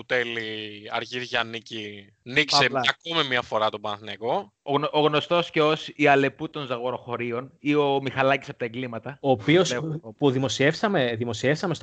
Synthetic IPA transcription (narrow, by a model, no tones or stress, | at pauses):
ut̪eliɐɾʝiɾʝɐnici | niksseɐkomimiɐfo̞ɾɐt̪obɐnθnɐko̞ | oɣoʔoɣno̞st̪o̞sceosiɐle̞put̪o̞nzɐɣo̞ɾo̞xo̞ɾio̞nio̞mixɐlɐcisɐpot̪ɐeɡlimɐt̪ɐoːpio̞spuðimo̞sie̞fsɐme̞ðimo̞sie̞fsɐmest̪